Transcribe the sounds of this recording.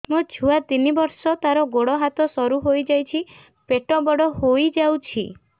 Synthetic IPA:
mut͡ʃʰuat̪inibɔɾsɔt̪aɾɔɡoɽɔɦat̪ɔsɔɾuɦojd͡ʒajt͡ʃʰi | peʈɔbɔɽɔɦojd͡ʒawt͡ʃʰḭ

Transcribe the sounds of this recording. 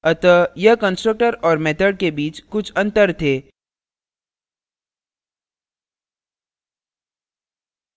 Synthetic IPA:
ət̪əjɐkə̃nsʈɾək̚ʈəɾɔːɾmeːt̪ʰəɖkebiːt͡ʃkʊt͡ʃʰɐ̃nt̪əɾt̪ʰeː

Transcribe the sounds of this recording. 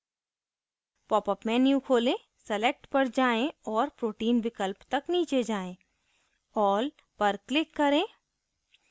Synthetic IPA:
pɔːpəpmɛ̃ːnjũkʰoːlẽː | sɛlek̚ʈpɐɾd͡ʒaːẽɔːɾpɾoːʈiːnbɪkəlpt̪ɐkniːt͡ʃed͡ʒaːẽː | ɔːl | pɐɾklɪkːɐɾẽː

